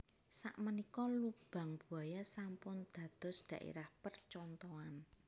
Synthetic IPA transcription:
sa̰ʔmənikɔlub̥a̤ŋb̥ṳajasampʊnd̪̥ä̤d̪̥ɔ̤sd̪̥ä̤ʔḛɾahpərt͡ʃɔnt̪ɔan

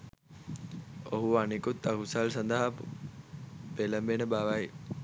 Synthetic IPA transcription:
oɦuanikut̪ːakusalsɐnd̪əɦap | pelɐmbenəbaːʋaj

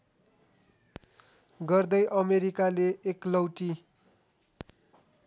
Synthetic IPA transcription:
ɡʌrd̪ʌjʔʌmeɾikaleːklʌwʈi

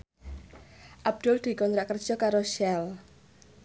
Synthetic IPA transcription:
ʔab̚d̪̥ʊld̪̥i̤kɔnt̪ɾaʔkər̥d͡ʒ̥ɔkaɾoʃɛl

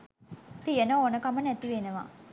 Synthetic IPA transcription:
t̪ijənoonəkamənæt̪iʋenəʋa̰

